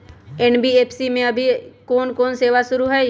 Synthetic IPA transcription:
eːnbieːpʰsimẽɐbʱikɔːnkɔːnseːʋasʊɾuɦɛ

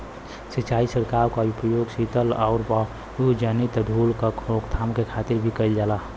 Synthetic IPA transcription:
sit͡ʃaːisəɾkaːɾkaupəjoːɡsit̪əlaːʊɾba | ud͡ʒənit̪ɖ̪ʱulkakʰɾokt̪ʰamkekʰaːt̪ɪɾbʱikəɪld͡ʒaːla

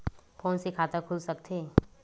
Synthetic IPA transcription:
fʰɔ̃ːnsekʰaːt̪akʰʊlsɐk̚t̪ʰeː

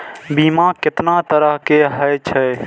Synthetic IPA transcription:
biːmakɪt̪nat̪əɾəɦkeɦəjt͡ʃʰɛ

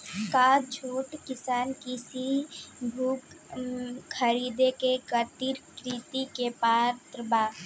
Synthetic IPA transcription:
kaːɾt͡ʃʰoːʈkɪsaːnkisibʱuːkʰː | əɾiːd̪ekekət̪iɾkɾit̪ikepaːɾt̪ɾbaː

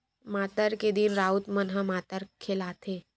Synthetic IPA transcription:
mat̪əɾked̪iːnɾaut̪mənɦãmat̪əɾkʰelat̪ʰe

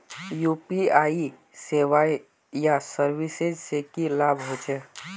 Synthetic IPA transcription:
jupiai | seʋaj | jasəɾʋised͡ʒsekilabʱɦot͡ʃe

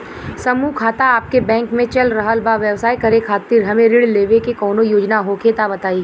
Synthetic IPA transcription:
sɐmukʰaːt̪aaːp̚kebɛ̃ːŋkmẽt͡ʃɐlɾɐɦəlbaʋjɛʋsaːjkɐɾekʰaːt̪iːɾɦɐmẽɾɪɽleːʋekekɔːnojoːd͡ʒnaɦokʰet̪abɐt̪aːiː

